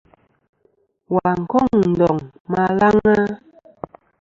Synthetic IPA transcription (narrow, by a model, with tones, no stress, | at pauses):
wa˨ŋ̩˨kɔ˦˨ŋn̩˨dɔ˨ŋ | ma˨la˦ŋa˦